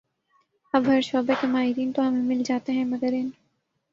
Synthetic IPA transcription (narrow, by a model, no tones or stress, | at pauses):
ɐbɦɐɾʃɔːbekemaːɦɪɾiːnt̪oɦɐmẽmɪld͡ʒaːt̪eɦɛ̃mɐɡəɾɪn